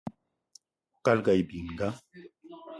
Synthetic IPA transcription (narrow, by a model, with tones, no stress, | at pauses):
ka˦lɡa˨jbi˨ŋɡa˦